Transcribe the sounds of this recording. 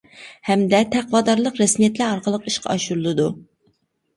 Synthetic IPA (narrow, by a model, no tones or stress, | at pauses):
hɛmd̪ɛt̪ʰæqvɑːd̪ɑɾlˠəqɾɛsmijɛt̪læɑɾqəlˠəqiʃqʰɑ̰ɑʃuɾulˠɨd̪u